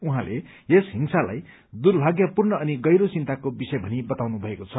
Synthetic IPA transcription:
uɦãlʔe | esɦimsala̰j | d̪urbʱaɡjʌpurnʌːniɡʌjɾot͡sint̪akobisʌjbʱʌnibʌt̪awnubʱʌekot͡sʰʌ

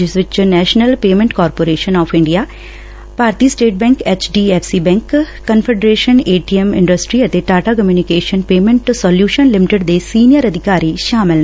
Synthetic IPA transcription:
d͡ʒɪsʋɪt͡ʃnɛːʃnəlpeːmɛ̃ɳʈkɔːɾpoːɾeːʃənɔːpʰɪ̃ɳɖijaː | paːɾt̪iːsʈeːʈ̚bɛ̃ːŋkɛːt͡ʃɖiːɛːpʰsiːbɛ̃ːŋkː | ənpʰeɖɾeːʃəneːʈiɛmɪ̰̃ɳɖəsʈɾiːət̪eʈaːʈaːkəmjuːnɪkeːʃənpeːmẽɳʈsɔːljuːʃənlɪmɪʈɪɖd̪eːsiːnijəɾəd̪ɪkaːɾiːʃaːmɪl

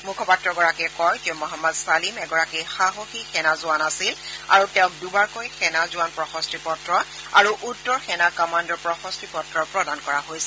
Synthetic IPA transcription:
mukʰɔpatɹɔɡɔɹakɛkɔjtɛʊ̃mɔɦamːɔdsalimɛɡɔɹakɛxaɦoxixʰɛnazʊanasila̰ɹutɛ̃ʊ̃k̚dubaɹkojxʰɛnazʊanpɹɔxɔstɹipɔtɹɔ | a̰ɹuʔutːɔɹxɛnakɔmandɔɹpɹɔxɔstʰipɔtɹɔpɹɔdankɔɹaɦojsɛ

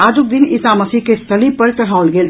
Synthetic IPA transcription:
aːd͡ʒuk̚d̪inisaməsikest̪ʰəlipəɾʈ̪ɐɽ̤aʊlɡeːl

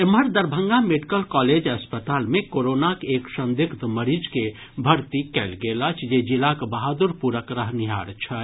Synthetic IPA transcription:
eməɾd̪əɾbʱə̃ŋɡameɖikəlkɔːled͡ʒɐspət̪aːlmẽkoɾonakeːksə̃nd̪ikʰt̪məɾid͡ʒke | bʱəɾt̪ikɛlɡelət͡ʃʰd͡ʒed͡ʒilakbaɦad̪uɾpuɾəkɾəɦniɦa̰ɾt͡ʃʰə

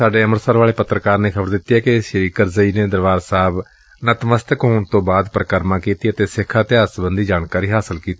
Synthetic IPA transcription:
aːɖeːəməɾsaːɾʋaːɭeːpət̪ːɾəkaːɾneːkʰəbəɾd̪ɪt̪ːiːɛːkɪʃɾiːkəɾzəiːneːd̪əɾʋaːɾsaːb | nət̪məst̪əkɦoːɳt̪õːbaːd̪pəɾəkəɾmãːkiːt̪iːət̪eːsɪkʰːaːt̪ɪaːsbənd̪iːd͡ʒaːɳkaːɾiːɦaːsəlkiːt̪iː

